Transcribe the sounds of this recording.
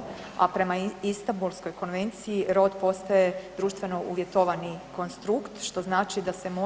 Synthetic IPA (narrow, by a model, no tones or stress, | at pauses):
a̰pɾe̞maist̪ambulˠsko̞jko̞nʋe̞nt̪sijiɾo̞d̪po̞st̪aje̞d̪ɾuːʃt̪ʋe̞no̞ʔuʋje̞t̪oʋaniko̞nst̪ɾukt̪ʃt̪o̞znaːt͡ʃid̪ase̞mo